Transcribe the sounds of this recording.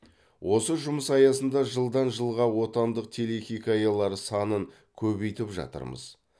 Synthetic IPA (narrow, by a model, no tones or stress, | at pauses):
wʔo̞səʒʊməsɑjɑsənd̪ɑʒəlˠd̪ɑnʒəlˠʁɑwo̞t̪ɑnd̪əq̚t̪ʰe̞le̞xʲikajɑlˠɑɾəsɑnəŋ | kʲʰɵβe̞jt̪ɪpʒɑ̰t̪ə̰ɾmə̰z̥